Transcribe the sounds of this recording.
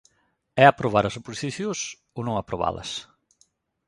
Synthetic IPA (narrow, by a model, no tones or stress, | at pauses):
ɛapɾoβaɾɐsoposi̥siθjos | onõŋapɾoβa̰lɐ̰s